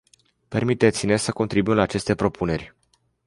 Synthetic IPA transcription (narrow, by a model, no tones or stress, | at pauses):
pe̞rmit̪et̪sinesəko̞nt̪ɾibuimlaːt͡ʃe̞st̪e̞pɾo̞pune̞rʲ